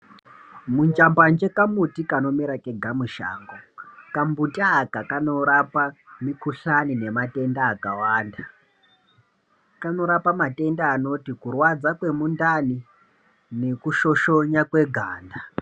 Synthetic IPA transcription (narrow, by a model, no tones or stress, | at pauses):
mund͡ʒamband͡ʒe̞kamutikano̞miɾakeɡʱamuʃa̰ːŋɡokambutaːkakano̞ɾapamikuɬanine̞mate̞ndaːkawaːnda | kano̞ɾapamate̞ndaːno̞tikurwad͡zakwe̞mundani | ne̞kuʃo̞ʃo̞ɲakwe̞ɡʱaːnda